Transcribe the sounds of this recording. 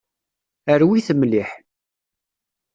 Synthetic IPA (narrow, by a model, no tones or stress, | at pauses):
əɾwiθəmliħ